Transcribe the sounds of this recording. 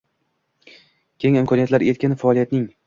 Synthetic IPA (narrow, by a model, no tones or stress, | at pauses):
kʲʰeŋɪmkʰɒnijat̪laɾe̞t̪̚kʲɪnɪfaɒːlˠijat̪nɪŋ